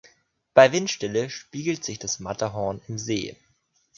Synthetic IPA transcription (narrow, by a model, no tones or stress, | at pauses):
b̥aɪvɪntʃtɪləʃpiːɡl̩tz̥ɪçd̥asmatɐɦɔɐnɪmzḛː